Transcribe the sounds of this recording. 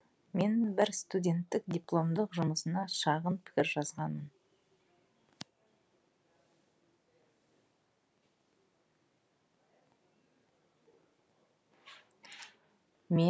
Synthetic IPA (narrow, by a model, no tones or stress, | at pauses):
me̞nbɪɾst̪udʲe̞nt̪ːɪkd̪ʲijplˠo̞md̪əqʒʊməsənɑʃɑʁənpʰɪ̥kʲɪɾʒɑzʁɑnəm | me